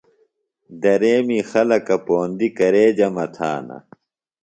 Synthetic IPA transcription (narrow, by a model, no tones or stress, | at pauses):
d̪ɐɾeːmixɐlɐkɐpoːnd̪ikɐɾeːd͡ʑɐmɐt̪ʰa̰ːnɐ̰